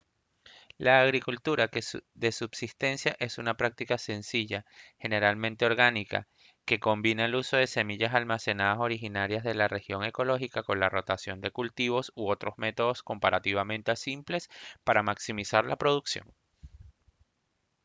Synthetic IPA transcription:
laːɣɾikult̪uɾakeðe̞subsist̪e̞nsjaʔe̞sunapɾak̚t̪ikase̞nsiʝaxe̞ne̞ɾalmẽ̞nt̪e̞o̞ɾɣanika̰ | ke̞ko̞mbinaeluso̞ð̞e̞se̞miʝasalmase̞naðaso̞ɾixinaɾjazðe̞lare̞xjo̞ŋe̞ko̞lo̞xikako̞nlaro̞t̪asjo̞nd̪e̞kult̪iβ̞o̞suo̞t̪ɾo̞zme̞t̪o̞ð̞o̞sko̞mpaɾat̪iβ̞amẽ̞nt̪easimple̞spaɾamaksimisaɾlapɾo̞ð̞uksjo̞̰ŋ

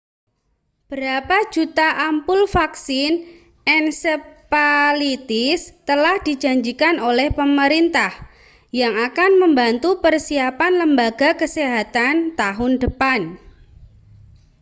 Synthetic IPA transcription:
b̥əɾapḁd͡ʒut̪aʔampʊlfaksɪn | ʔɛnsəpalit̪ɪst̪əlahd̥id͡ʒa̤ɲd͡ʒikanolɛhpəməɾint̪ah | jaŋakanməmbant̪upərsiapanləmbaɡa̤kəseɦat̪ant̪aɦʊndəpan

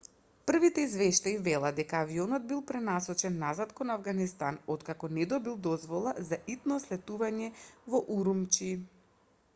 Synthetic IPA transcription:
pr̩vit̪ɛizvɛʃt̪aivɛlˠad̪ɛkaːviɔnɔd̪̚bilˠpɾɛnasɔt͡ʃɛnːazat̪kɔnavɡanist̪anɔt̪kakɔnɛd̪ɔbilˠd̪ɔzvɔlˠazaʔit̪nɔslɛt̪uvaɲɛvɔʔuɾumt͡ʃi

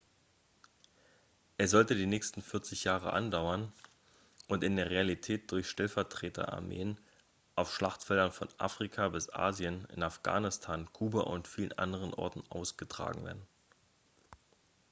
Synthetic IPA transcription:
ʔɛsz̥ɔltədiːnɛːçstn̩fɪɐt͡sɪçjaːʁə̰ʔa̰ndaʊɐn | ʔʊntɪndeːɐʁ̞ealitʰɛːt̚d̥ʊɐçʃtɛlfɛɐtʁ̥eːtʰɐ̰ʔa̰ɐmḛːən | ʔaʊfʃlaχtfɛldɐnfɔnʔa̰fʁ̥ikʰabɪsʔa̰ːziənɪ̰nafɡ̥a̰ːnɪstʰaːnkʰuːba̰ʔʊ̰ntfiːlənʔa̰ndəʁ̞ənʔɔ̰ɐtn̩ʔa̰ʊsɡ̥ətʁ̥a̰ːɡŋ̩vḛːɐdn̩

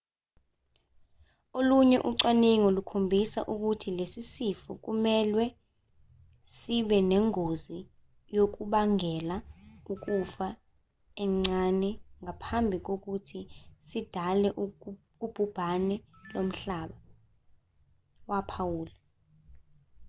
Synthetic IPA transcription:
oluɲɛʔuǀaniŋolukʰombʱisa̰ʔuk̬utʰilesisifuk̬umɛlwɛ | siɓɛnɛŋozi | jok̬uɓaŋɛlauk̬ʼufa | ɛŋ͡ǀanɛŋʱapʰambʱik̬ok̬utʰisid̥ʱalɛʔ | ub̥ʱub̥ʱanɛlom̩ɬaːɓa | wapʰawuːlɛ

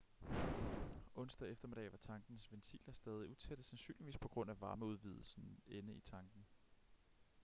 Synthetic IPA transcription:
ɔ̽n̰sd̥ɛefd̥ɐme̝dɛ̰ːʋɑ̈t͡sʰɑ̈ŋɡ̥n̩sʋent͡sʰḭːlɐsd̥ɛːð̞ˠiut͡sʰeɾ̥əsænsy̰ːnliʋḭːspʰɒ̽ɡ̥ʁɔ̽n̰æʋɑ̈ːməuð̞ˠʋið̞ˠl̩sn̩enəit͡sʰɑ̈ŋɡ̥n̩

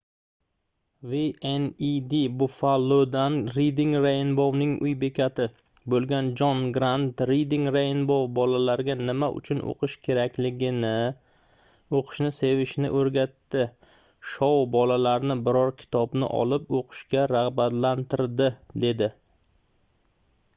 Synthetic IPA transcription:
vienid̪ibʊfalˠːod̪anɾid̪iŋɾajnbownɪŋʊjbe̞kʲʰat̪ʰɪ | bolˠɡʲand͡ʒɒnɡɾant̪ɾid̪iŋɾajɪnbowbɒlalaɾɡʲanɪmaʔʊ̰t͡ʃʰʊnʔo̰qʰɨʃkʲʰe̞ɾakʲlɪɡʲɪnɪ | oqʰɨ̥ʃnɪse̞vɪʃnɪ̰ʔoɾɡʲat̪ːɪ | ʃɒwbɒlalaɾnɪbɪɾɒɾkʲʰɪ̥t̪ʰɒbnɪ̰ʔɒ̰lɪpoqʰɨ̥ʃkʲaɾaʁbat̪lant̪ɪɾd̪ɪd̪e̞d̪ɪ

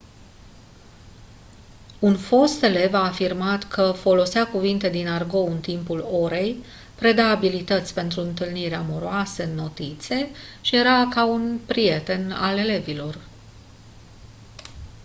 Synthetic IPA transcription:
unfo̞st̪e̞le̞vaːfirmat̪kʰəfo̞lo̞sakuvint̪e̞d̪inarɡo̞wɨnt̪impulo̞ɾe̞j | pɾe̞d̪aːbilit̪ət̪sʲpe̞nt̪ɾuɨnt̪ɨlniɾeamo̞ɾoasəɨnːo̞t̪it̪sʲie̞ʃije̞ɾakaunpɾije̞t̪e̞na̰le̞le̞vilo̞r

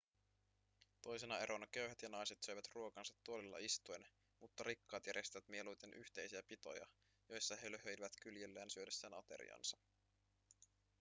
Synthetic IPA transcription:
t̪o̞jsenɑe̞ɾo̞nɑk̟øɥɦæt̪jɑnɑjset̪søɥʋæt̪ruo̞kɑnsɑt̪ːuolilːɑ̰ist̪uen | mut̪ːɑɾikːɑːt̪jæɾje̞st̪æʋæt̪mie̞lujt̪enʔyht̪e̞jsiæpit̪o̞̰jɑ̰ | jo̞jsːɑɦeløɦøjiʋæt̪kyljelːæːnsyødesːæːnɑt̪e̞̰ɾḭɑ̰nsɑ

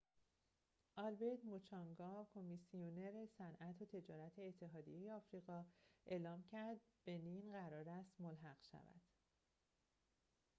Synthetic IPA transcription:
ʔɒlbeɾd̪mot͡ʃʰɒŋɡɒːkʰomisioneɾe̞sænʔæt̪ʰot̪ʰe̞d͡ʒɒːɾæt̪ʰeːt̪ʰːe̞ɦɒːd̪ḭjejeɒːfɾiːɣɒːʔe̞ːlɒːmcʰæɾd̪̚b̥e̞ninɢæɾɒːɾæst̪molɦæɣ̥ʃæ̰væ̰d̪̥

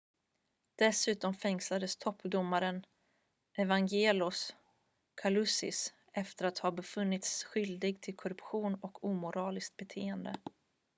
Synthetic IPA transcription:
d̪̥ɛsʉ̟ːt̪ɔmfɛŋslad̪əst̪ʰɔpːd̪ʊmːaɾən | ʔɛvaŋɡeːlʊs | kʰalɵsɪ̰s | ʔɛft̪əɾat̪hɑːbɛfɵnːɪt̪sɧʏld̪ɪɡt̪ʰɪlkʰɔɾɵpɧuːnɔkʰuːmʊɾʔɑːlɪskt̪̚bɛt̪ʰeːənd̪ə̰

